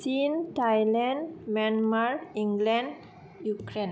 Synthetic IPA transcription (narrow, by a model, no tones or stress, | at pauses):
sint̪ajlɛ̃nmanmaɾiŋɡlɛn | jukɾen